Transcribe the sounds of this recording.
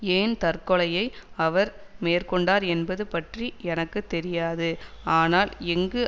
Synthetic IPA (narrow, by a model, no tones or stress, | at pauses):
eːnt̪ɐrkɔɭɐjɐɪɐʋɐɾmeːrkɔɳɖaːɾɛnbɐðɯpɐʈriɛnɐkːɯt̪ːɛɾɪjaːðɯaːnaːlɛŋɡɯ